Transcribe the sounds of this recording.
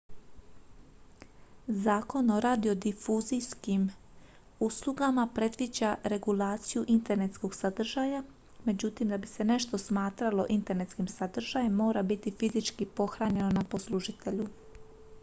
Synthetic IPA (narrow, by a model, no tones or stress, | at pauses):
zaːko̞no̞ɾad̪io̞d̪ifuzijskim | uslˠuɡamapɾe̞d̪ʋid͡ʑaɾe̞ɡulaːt̪sijuʔint̪e̞ɾne̞t̪sko̞ɡsad̪r̩ʒaja | me̞d͡ʑut̪imd̪abise̞ne̞ʃt̪o̞smaːt̪ɾalo̞ʔint̪e̞ɾne̞t̪skimsad̪r̩ʒajemːo̞ːɾabit̪ifizit͡ʃkipo̞xɾaɲe̞nonapo̞slˠuʒit̪e̞ʎu